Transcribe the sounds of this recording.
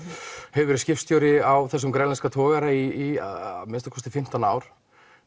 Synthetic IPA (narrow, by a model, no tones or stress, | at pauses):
hɛvvɛɾɪscɪfst̪jowɾɪawθɛsːʏmkɾɛnlɛnskat̪ʰɔːɣaɾaḭːmɪnst̪akʰɔst̪ɪfɪm̥t̪anaːwɾ̥